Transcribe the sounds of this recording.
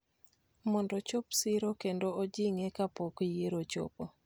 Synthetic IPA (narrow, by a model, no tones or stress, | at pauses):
mɔndɔt͡ʃopsɪɾokendood͡ʒiŋɛkapokjeɾot͡ʃo̰po